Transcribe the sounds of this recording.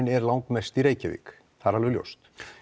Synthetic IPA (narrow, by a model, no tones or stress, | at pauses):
nɛɾlawŋkmɛst̪iɾeːjcavḭːk | θaɾalvʏljo̰wst̪